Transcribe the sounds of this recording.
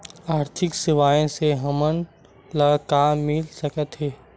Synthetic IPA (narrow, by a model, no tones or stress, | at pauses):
aːɾt̪ʰɪksɪʋaːjõseɦɐmən | ləkaːmːɪlsɐkət̪ɦɛː